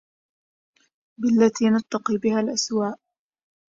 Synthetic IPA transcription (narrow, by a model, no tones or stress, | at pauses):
bɪlːat̪iːnat̪ːɑqiːbɪhalʔaswaːʔ